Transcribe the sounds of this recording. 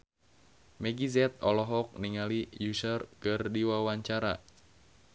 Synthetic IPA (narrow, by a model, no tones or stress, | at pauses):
mɛɡizɛt̪̚ɔlɔɦɔk̚niŋalijusərkɨrdiwawaɲt͡ʃaɾa